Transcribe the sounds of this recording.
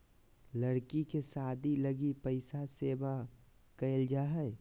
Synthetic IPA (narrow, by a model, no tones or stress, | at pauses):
ləɾkikesaːd̪ʱiləɡipəɪsaseːba | kəɪld͡ʒaːɦɛ